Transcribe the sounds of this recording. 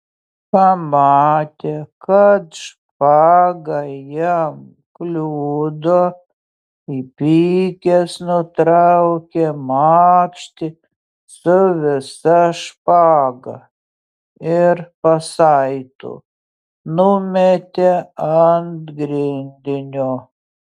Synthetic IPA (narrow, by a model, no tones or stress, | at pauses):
pɐmɑːt̪ʲekɐt̪ʃ | pɑːɡɐjɛm | klʲuːd̪oː | ipʲiːkʲɛsnʊt̪ɾɑʊkʲemɑːpʲʃʲt̪ʲɪ | sʊʋʲɪsɐʃpɑːɡɐ | ɪɾpɐsɐɪt̪o̰ː | nʊmʲɛt̪ʲeɐnt̪ɡɾʲɪnʲd̪ʲɪnʲoː